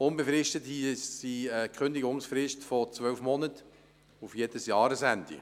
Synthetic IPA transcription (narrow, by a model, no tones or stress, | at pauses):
ʊnbefɾɪʃtətissiɛkχʏnd̪ɪɡʊŋsfrɪʃtfɔt͡sʋœlfmɔnət | ufjed̥əsjɑːɾəsændḭ